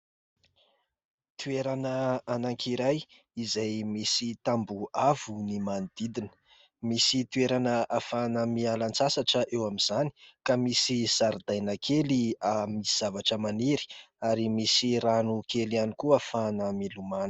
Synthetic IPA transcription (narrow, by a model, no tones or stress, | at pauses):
t̪ueɾanəanaŋkʰiɾaj | izajmisit̪ambuavunimanid̪̥id̪inə̥ | misit̪ueɾanəafanəmialant͡sasaʈ͡ʂəʔewamiz̥ani̥kamisiz̥aɾd̪ajnəkʰeliamiiz̥avaʈ͡ʂəmaniɾi̥ | aɾimisiɾanukelianikuafanəmiluman̥